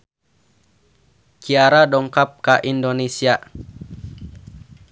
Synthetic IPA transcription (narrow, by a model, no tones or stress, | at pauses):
kiaɾadɔŋkap̚kaʔindonesia